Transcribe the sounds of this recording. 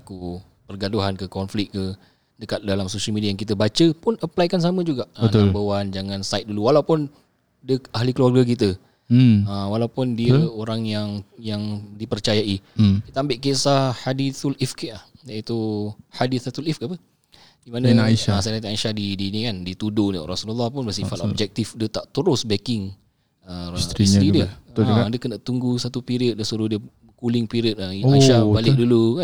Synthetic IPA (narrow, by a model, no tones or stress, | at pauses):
aku | pərɡaduɦankəkɔnflɪk̚kə | dəkat̪̚dalamsoʃəlmidiajaŋkit̪̬əbat͡ʃəpʊnəplajkans̬amə̃d͡ʒuɡaʔənabəwand͡ʒaŋãnsajt̪̚duluwalawpʊn | dəahlikəluarɡak̬it̪̬ə | əwalawpʊndiəoɾaŋjaŋjaŋdipərt͡ʃajaikit̪əambɪʔkesahadiθulifkiʔlahjait̪uhadiθt̪ulifkaʔapə | d̥imanãniʃaasajnat̪aaiʃahdidinĩkandit̪udonḭɾasululːahpʊnbəsifat̪ɔ̰b̚d͡ʒɛk̚t̪ifdiət̪aʔt̪əɾʊsbɛkɪŋ | əsɾistɾidiət̪diəkənat̪uŋɡusat̪upiɾiət̪̚dəhsuɾuhdiə | kulɪŋpiɾiət̪̚ainaiʃabalɪk̚dulukan